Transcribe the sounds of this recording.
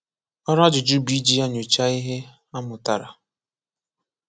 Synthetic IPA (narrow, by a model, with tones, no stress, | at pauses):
ɔ˦ɾa˦d͡ʒʊ˨d͡ʒu˦bi˦d͡ʒi˦a˦ɲo˨t͡ʃa˦i˦ɦe˦ | a˦mʊ˨ta˨ɾa̰˨